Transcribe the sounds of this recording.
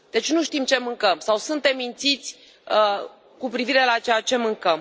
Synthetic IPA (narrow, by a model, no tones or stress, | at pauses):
d̪̥e̞t͡ʃnuʃt̪imt͡ʃe̞mɨŋkəmsawsunt̪e̞mːint̪sit̪sʲ | kupɾiviɾe̞lat͡ʃejat͡ʃe̞mɨŋkəm